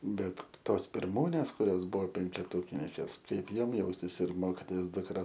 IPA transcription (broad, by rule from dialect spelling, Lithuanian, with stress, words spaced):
ˈbʲɛt ˈtoːs pʲɪrˈmuːnʲeːs kʊˈrʲoːs ˈbʊʋoː pʲɛŋʲkʲɛˈtuːkʲɪnʲɪŋʲkʲeːs ˈkɐɪp ˈjoːm ˈjɛʊsʲtʲɪs ɪr ˈmoːkʲɪtoːjoːs dʊkˈrɐ